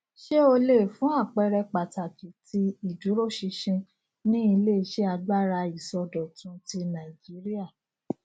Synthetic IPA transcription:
ʃe˦o˧le˦˨fũ˨˦a˦˨k͡pɛ˧ɾɛ˧k͡pa˨ta˨ki˨tʰi˧i˨du˨˦ɾo˦˨ʃi˧ʃĩ˧ | nĩ˦i˧le˦i˧ʃe˦a˧da˦˨ɾa˧i˨sɔ˧dɔ˨tũ˧ti˧nã˨d͡ʒi˨˦ɾi˦a˦˨

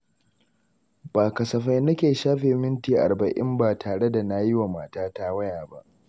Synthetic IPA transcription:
b̥aː˨kɐ˨sɐ˨ɸa˦jnɐ˦kʲeː˨ʃaː˦ɸeː˨mɪ˦ntiː˨ʔa̰˨bɐ˨ʔɪ̰˦mbaː˨tʰaː˨ɽe˦da˨na˦jɪ˦wa˨maː˨taː˦ta˦wɐ˦jaː˨ba˦ʔ

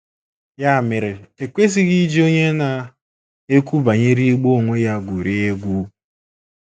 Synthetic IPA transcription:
ja˦˨mɪ˨ɾe˨e˨kʷe˦si˦ɣi˦d͡ʒi˦o˦ɲe˦na˨ | e˦kʷu˦ba˨ɲe˦ɾi˦ɡ͡bo˦o˨ŋʷe˦ja˦ɡʷu˨ɾi˦e˦ɡʷu˦

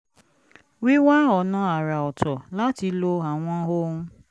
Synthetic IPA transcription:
wi˦wa˦ɔ˨nã˧a˨ɾa˨ɔ˨tɔ˨la˨˦ti˧lo˧a˨w̃ɔ̃˧ɦo˦ũ˧

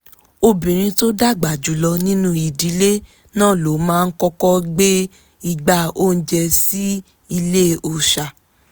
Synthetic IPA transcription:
o˧bĩ˨ɾ̃ĩ˧to˦da˦˨ɡ͡ba˨d͡ʒu˨˦lɔ˧nĩ˦nũ˦i˨di˨˦le˦ | nãː˦˨lo˨˦mãː˦˧n̩˦kɔ˧kɔ˦ɡ͡be˦ | i˧ɡ͡ba˦o˦˨n̩˦d͡ʒɛ˧si˦ | i˧le˦˨o˨ʃa˨

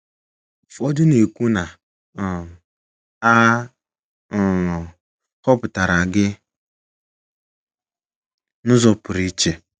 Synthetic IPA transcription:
fɔ˦dʊ˦ne˨ku˦na˨ | a˦˨ | hɔ˦pʊ˨ta˨ɾa˨ɡɪ˦ | nʊ˦zɔ˨pʊ˨ɾi˦t͡ʃe˨

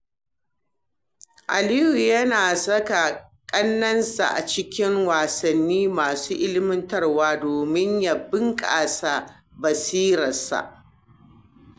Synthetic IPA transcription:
ʔa̰˨liː˦hu˨jɐ˦naː˨sɐ˦ka˨kʼɐ˦nːɐ˦nsa̰˨ʔa˨t͡ʃɪ˦kʲɪ˦ŋwaː˨sɐ˨nːiː˦maː˨suː˦ʔɪ˦lɪ˦mɪ˦ntɐ˦rwaː˦doː˨mɪ˦ɲja˨bɪ˦ŋkʼaː˨sa˦˨ | bɐ˨siː˦ɾɐ˨sa̰˨ʔ

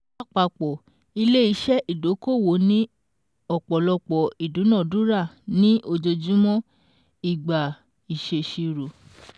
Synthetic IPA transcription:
a˦˨k͡pa˨k͡pɔ˨ | i˧le˦i˧˦ʃɛ˦ʔi˦˨do˨˦ko˦˨wo˨˦nĩ˦ | ɔ˦˨k͡pɔ˨lɔ˧k͡pɔ˨i˨dũ˨˦nã˦˨dũ˦ɾa˦˨nĩ˦ʔo˧d͡ʒo˧d͡ʒu˦mɔ̃˦ | i˦˨ɡ͡ba˨ | i˨ʃe˨ʃi˧ɾo˨

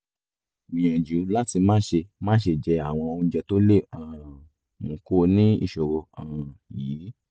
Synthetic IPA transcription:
mĩ˨ɛ̃˨d͡ʒu˨˦la˦ti˧mãː˦ʃe˧mãː˦ʃe˧˨d͡ʒɛ˧a˨w̃ɔ̃˧n̩˧d͡ʒɛ˧to˦le˦˨ã˨ | mũ˨ko˦nĩ˦ḭ˧˨ʃo˨ɾo˧ã˨jiː˨˦

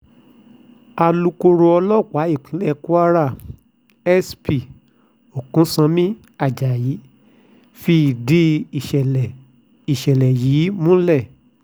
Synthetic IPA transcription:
a˧lu˧ko˧ɾo˧ɔ˧lɔ˦˨k͡pa˨˦i˦˨k͡pĩ˨˦lɛ˦˨ku˦a˦ɾa˦˨ | ɛ˦spi˨ | o˨kũ˨˦sã˧mĩ˦ | a˦˨d͡ʒa˨ji˨˦ | fi˧˦i˨de˦˨ʃɛ˨ɛ˨ | i˨ʃɛ˨lɛ˨jiː˨˦mũ˦lɛ˦˨

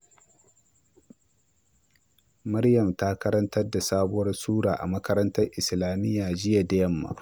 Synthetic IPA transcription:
mɐ˦ɾjɐ˨mta˦kɐ˦ɾɐ˦ntɐ˦rda˨saː˦bʊ˦wɐ˦rsuː˦ɽaː˨ʔa̰˨mɐ˦kɐ˦ɾɐ˦ntɐ˦rʔɪ˨slaː˨mɪ˦jːaː˨d͡ʒɪ˦ja˨da˦jɐ˦mːa̰ː˦

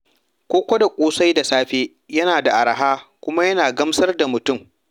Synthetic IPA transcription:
kʷoː˦kʷɐ˦da˨kʷʼoː˦sa˦jda˨saː˦ɸeː˦ | jɐ˦naː˨da˨ʔa˨ɾa˨ɦaː˦kʷʊ˦ma˦jɐ˦naː˨ɡɐ˦msɐ˦rda˨mʊ˨tʊ˦m

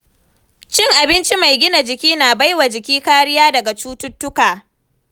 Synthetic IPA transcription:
t͡ʃɪ˦ŋʔa˨bɪ˦nt͡ʃi˦ma˨jɡʲɪ˦na˨d͡ʒɪ˨kʲiː˦naː˨ba˦jwa˨d͡ʒɪ˨kʲiː˦kaː˦ɽɪ˦jaː˦dɐ˨ɡa˨t͡ʃuː˦tʊ˦tːʊ˦kaː˨

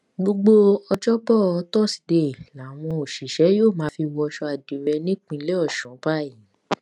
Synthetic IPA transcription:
ɡ͡bo˧ɡ͡bo˧ɔ˧d͡ʒɔ˦bɔ˦˨ɔ˧tɔ˦˨si̥˨˧de˧˨la˨˦˨w̃ɔ̃˧o˨ʃi˨ʃɛ˨˦joː˦˨mã˨˦fi˧wɔ˧˦ʃɔ˧a˨di˨ɾɛ˧nĩ˦k͡pĩ˧˦lɛ˦ɔ˦˨ʃɔ̃˨˦ba˦˨jĩ˨˦

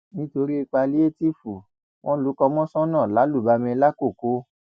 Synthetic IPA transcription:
nĩ˦to˧ɾi˦i˧k͡pa˧li˦e˦ti˦fu˨ | w̃ʔɔ̃˦lu˨˦kɔ˧mɔ̃˦sɔ̃˦nã˦˨la˨˦lu˦˨ba˧mĩ˧la˦ko˦˨ko˨˦

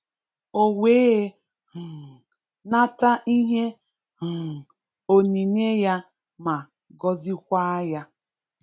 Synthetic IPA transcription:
o˨weː˦˨ | na˦ta˦ʔi˦ɦe˦˨ | o˨ni˨ɲe˦ja˦ | ma˨ | ɡɔ˦zi˦kʷa˦ja˦

